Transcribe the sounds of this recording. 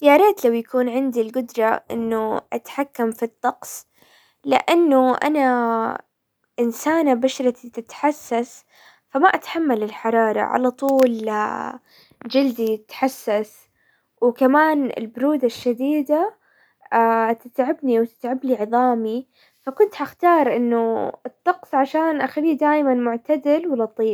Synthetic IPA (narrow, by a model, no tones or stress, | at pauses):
jaɾˤeːt̪lawjakuːnʕɪnd̪ilɡʊd̪ɾˤɑʔɪ̰nːʊʔat̪ħakːamfit̪ˤːɑqsˤ | lɪ̰ʔanːʊʔa̰na | ʔɪnsaːnabaʃɾˤɑt̪it̪ɪt̪ħasːas | famaʔat̪ħamːalɪlħɑɾˤɑːɾˤɑ̰ʕa̰lat̪ˤuːl | d͡ʒɪld̪it̪ħasːas | wkamaːnɪ̰lbʊɾuːd̪aʃːad̪iːd̪a | t̪ɪt̪ʕɪbniwt̪ɪ̥t̪ʕabliʕɨðˤɑːmi | fakʊnt̪haxt̪ɑːɾˤʔɪnːʊɨt̪ˤːɑqsˤʕaʃaːnʔaxaliːd̪aːjmanmʊʕt̪ad̪ɪlwɪlɑt̪ˤiːb